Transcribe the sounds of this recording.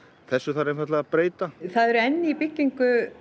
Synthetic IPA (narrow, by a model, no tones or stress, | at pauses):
θɛsːʏθaɾenfat̪laɣapɾeːjt̪aθaðɛɾɛnːɪipɪcːiŋkʏ